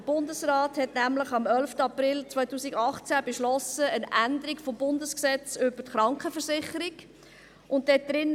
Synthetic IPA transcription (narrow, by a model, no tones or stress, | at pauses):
əb̥ʊndəsrɑːthɛtnæmləχɑmœlftəɑprɪlt͡sʋœɪtuːsiɡɑχt͡sæbeʃlɔsəənændəɾikfɔmbʊndəsksɛt͡sʏb̥ətχɾɑŋkχəfəɾsɪχəɾiɡ | ʔʊntdɛd̥ɾɪn